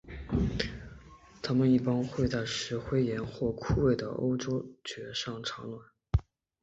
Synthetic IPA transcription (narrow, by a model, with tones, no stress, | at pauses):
t̪ʰa˥mə˨ni˥˩pɑ˥ŋxwe˥˧ɪt͡sa˥˩ɪʂɻ̩˧˥xwe˥ɪjɛ˧˥nxwɔ˥˧kʰu˥˧we˥˩ɪd̪ə̰˩ʔo̰˥ʊʈ͡ʂo˥ʊt͡ɕɥɛ˧˥ʂɑ˥˩ŋʈ͡ʂʰɑ˧˥ŋlwa˨˩˦n